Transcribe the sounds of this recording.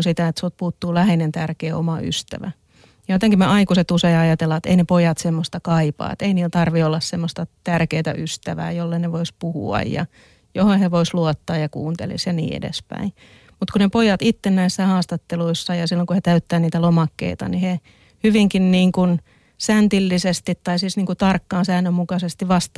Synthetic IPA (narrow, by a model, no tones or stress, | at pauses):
sit̪æet̪sut̪̚puːt̪ːuːlæhenent̪ærkeːo̰mɑy̰st̪æ̰ʋæ | jɑjot̪eŋkimeʔɑikuset̪useiɑjɑt̪elːɑet̪ḛinepojɑt̪semːost̪ɑkɑipɑ̰ːḛt̪einiːlt̪ɑrʋiolːɑssemːost̪ɑt̪ærkeːt̪æ̰ʔyst̪æʋæ̰ːjolːeneʋoispuhṵɑ̰jjɑ̰ | johoheʋoisluɔt̪ːɑːjjɑkṵːnt̪ḛlḭsjɑnḭːḛdḛspæ̰i | mut̪kunepojɑt̪it̪ːennæisːæhɑːst̪ɑt̪ːeluisːɑjɑsilːoŋkuhet̪æyt̪ːæːniːt̪ælomɑkːḛit̪ɑ̰nihe | hyʋiŋkinniːŋkun | sænt̪ilːisest̪it̪tɑisisniːŋkut̪ɑrkːɑːnsæːnːømmukɑsest̪iʋʋɑst̪